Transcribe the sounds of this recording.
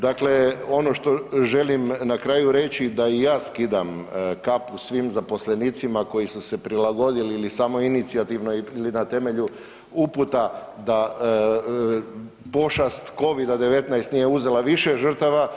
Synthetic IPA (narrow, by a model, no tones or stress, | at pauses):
d̪akle̞o̞no̞ʃt̪o̞ʒe̞limnakɾaːjuɾe̞t͡ɕid̪aijaːskid̪amkapusʋiːmzapo̞sle̞niːt̪simako̞jisuse̞pɾilaɡo̞d̪iliilisamo̞init̪siat̪iʋnoilinat̪e̞me̞ʎu | uput̪a | d̪a | po̞ʃast̪ko̞ʋid̪ad̪e̞ʋe̞t̪najst̪nijeuze̞laʋiʃe̞ʒr̩t̪aʋa